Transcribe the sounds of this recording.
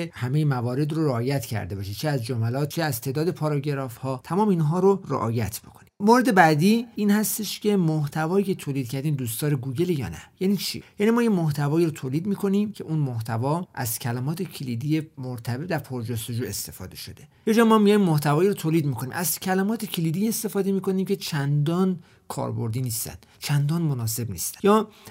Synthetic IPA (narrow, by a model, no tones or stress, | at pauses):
ehæme̞jemævɒːɾe̞d̪ɾoɾeɒːjæt̪ʰcʰæ̰ɾd̪e̞bɒʃet͡ʃʰeæzd͡ʒomælɒːt̪̚t͡ʃʰeæzt̪ʰe̞ːd̪ɒːd̪e̞pʰɒːɾɒɟe̞ɾɒːfhɒːt̪ʰæmɒːmeinɦɒːɾorḛʔɒ̰ːjæt̪ʰbo̥kʰo̞̥nimoɾed̪e̞bæd̪iːiːnhæst̪e̞ʃcʲʰe̞moht̪ʰævɒːiːcʰe̞t̪ʰoːlid̪̥̚kcʰæɾd̪iːmd̪uːst̪ɒːɾeɡuːɟe̞lejɒ̰ːnæ̰jæniːt͡ʃʰḭjænimɒːjemoht̪ʰævɒːiɾot̪ʰoːliːd̪miːkʰo̞nimcʰe̞ʔunmoht̪ʰævɒːʔæ̰zcʰælæmɒːt̪ʰe̞cʰelid̪ije̞moɾt̪ʰæbed̪æɾpʰoɾd͡ʒost̪e̞d͡ʒuːe̞st̪e̞fɒ̰ːd̪e̞ʃo̞d̪e̞jed͡ʒɒːmɒmijɒjmmoht̪ʰævɒːiɾot̪ʰoːliːd̪̚miːkʰonḭmʔæzcʰælæmɒːt̪ʰe̞cʰiliːd̪iest̪e̞fɒːd̪e̞miːko̞niːmcʰe̞t͡ʃʰænd̪ɒːn | kʰɒ̰ːɾbo̰ɾd̪iːniːst̪æ̰nd̪t͡ʃʰænd̪ɒːnmonɒːse̞bnḭst̪æ̥jɒː